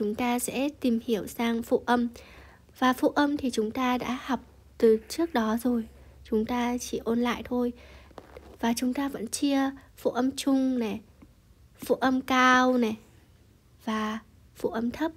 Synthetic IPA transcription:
t͡ɕʊ˨˦ŋ͡mt̪aː˧sɛ̰˧˥t̪i˨˩mhi˧˩əwsaː˧ŋfṵ˧˨ʔə˧m | vaː˨˩fṵ˧˨ʔə˧mt̪ʰi˨˩t͡ɕʊ˨˦ŋ͡mt̪aː˧ɗa̰ː˧˥ha˨˩wk͡p̚ | t̪ɨ˨˩t͡ɕɨ˦˥ək̚ɗɔ˨˦zo˨˩j | t͡ɕʊ˨˦ŋ͡mt̪aː˧t͡ɕi˧˩ʔo˧nla̰ː˧˨jt̪ʰo˧j | vaː˨˩t͡ɕʊ˨˦ŋ͡mt̪aː˧və̰˧˥nt͡ɕi˧əfṵ˧˨ʔə˧mt͡ɕʊ˧ŋ͡mnɛ˨˩ | fṵ˧˨ʔə˧mkaː˧wnɛ˨˩ | v̥aː˨˩ | fṵ˧˨ʔə˧mt̪ʰə˦˥p̚

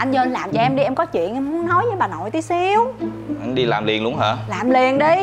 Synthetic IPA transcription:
ʔa˧jŋ̟zəː˧nlaː˨˩mt͡ɕɔ˧ʔɛ˧mɗi˧ʔɛ˧mkɔ˨˦t͡ɕwḭ˧˨ənʔɛ˧mmu˨˦ənnɔ˨˦jzəː˨˦jɓaː˨˩no̰˨jt̪i˨˦si˨˦w | ʔa˧jŋɗi˧laː˨˩mli˨˩ənɗʊ˨˦əŋɦəː˧˩laː˨˩mli˨˩ənɗi˧

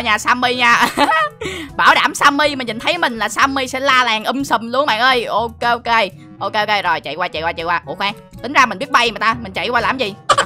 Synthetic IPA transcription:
ɲaː˨˩saː˧mːi˧ɲaː˧ | ɓaː˧˩wɗaː˧˩msaː˧mːi˧mi˨˩ŋ̟ɲi˨˩nt̪ʰə˨˦jmï˨˩ŋ̟laː˨˩saː˧mːi˧sɛ̰˧˥laː˧laː˨˩ŋʔə˧msə˧˩mlu˨˦əŋɓa̰ː˧˨ŋʔəː˧jʔo˧ke˧ʔo˧ke˧ | ʔo˧ke˧ʔo˧ke˧zo˨˩jt͡ɕḭ˧˨waː˧t͡ɕaḭ˧˨waː˧t͡ɕḭ˧˨jkwaː˧ʔu˧˩kxwaː˧˩ŋt̪ï˨˦ŋ̟zaː˧mi̟˨˩ɓi˦˥ət̚ɓa˧jmː˨˩t̪aː˧mï˨˩ŋ̟t͡ɕa̰˧˨jkwaː˧laː˨˩mzi˨˩

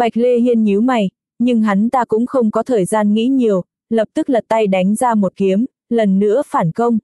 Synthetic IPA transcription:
ɓa˨˩k̚le˧hi˧ənɲi˨˦wma˨˩j | ɲɨ˧ŋɦa˨˦ŋt̪aː˧kʊ̰˧˥ŋ͡mxə˧wŋ͡mkɔ˨˦t̪ʰəː˨˩jzaː˧nŋḭ˧˥ɲi˨˩əw | lə˨˩p̚t̪ɨ˦˥k̚laː˨˩t̪a˧jɗa˨˦jŋ̟zaː˧mo˨˩t̚ki˨˦əm | lə˨˩nːɨ̰˧˥əfaː˧˩nkə˧wŋ͡m

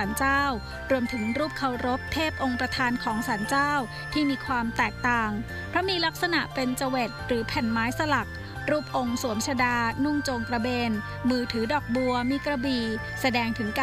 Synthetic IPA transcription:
aː˩˦nt͡ɕaː˥˩w | ɾu˧əmt̪ʰɯ˩˦ŋɾuː˥˩p̚kʰa˨˧˩wɾo˦˥p̚t̪ʰːeː˥˩p̚ʔo˧ŋpɾa˧t̪ʰaː˧nkʰɔː˩˦ŋsaː˩˦nt͡ɕaː˥˩w | t̪ʰiː˥˩miː˧kʰwaː˧mt̪ɛː˨˩k̚t̪aː˨˩ŋ | pʰɾɔ˦˥miː˧la˦˥k̚sa˧na˨˩ʔpe˧nt͡ɕa˧we˨˩t̪̚ɾɯː˩˦pʰɛ˨˩nmaː˦˥jsa˧la˨˩k̚ | ɾuː˥˩p̚ʔo˧ŋsu˩˦mt͡ɕʰa˧daː˧nu˥˩ŋt͡ɕoː˧ŋkɾa˧beː˧n | mɯː˧t̪ʰɯː˩˦dɔː˨˩k̚bu˧ɐmiː˧kɾa˧biː˨˩ | sa˧dɛː˧ŋt̪ʰɯ˩˦ŋka˧

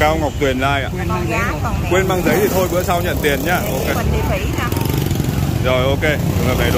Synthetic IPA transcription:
kaː˧wŋa˨˩wk͡p̚t̪wi˨˩ənlaː˧˩jʔa̰ː˧˨ | kwe˧nmaː˧ŋzə˨˦jt̪ʰi˨˩t̪ʰo˧jɓɨ̰˧˥əjsa˧wt͡ɕə̰˧˨nt̪i˨˩ənɲaː˧mo̰˨˩t̚ka˦˥jk̚ | zo˨˩jʔo˧ke˧˨ɨ˨˩ŋə˨˩na˨˩jɗ

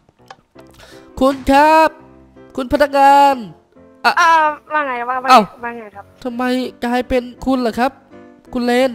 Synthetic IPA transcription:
kʰu˧nkʰa˦˥p̚ | kʰu˧npʰa˧˥t̚nːa˧k̚ŋaː˧n | ʔa˧˩aː˧waː˧ŋa˧˩jka˦˧aa˧ʔa˧˩wwaː˧ŋa˧˩jkʰa˦˥p̚t̪ʰa˧mːa˧˥jkaː˧˩ha˨˩jpe˧nkʰu˧˨nla˧˩kʰa˦˥p̚ | kʰu˧nleː˧˥˨n

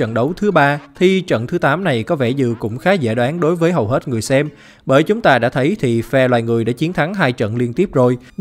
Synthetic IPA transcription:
ə̰˧˨nɗə˨˦wt̪ʰɨ˨˦ɓaː˧t̪ʰi˨˧˩t͡ɕə̰˧˨nt̪ʰɨ˨˦t̪aː˨˦mna˨˩jkɔ˨˦vɛ˧˩zɨ̰˧˨kʊ̰˧˥ŋ͡mxaː˨˦zɛ̰ː˧˩ɗwaː˨˦nɗo˨˦jvəː˨˦jɦə˨˩wɦe˦˥t̚ŋɨ˨˩əjsɛ˧m | ɓəː˧˩jt͡ɕʊ˨˦ŋ͡mt̪aː˧ɗa̰ː˧˥t̪ʰə˨˦jt̪ʰi˨˩fɛ˧lwaː˨˩jŋɨ˨˩əjɗa̰ː˧˥t͡ɕi˨˦ənt̪ʰa˨˦ŋɦaː˧jt͡ɕə̰˧˨nli˧ənt̪i˦˥əp̚zo˨˩j

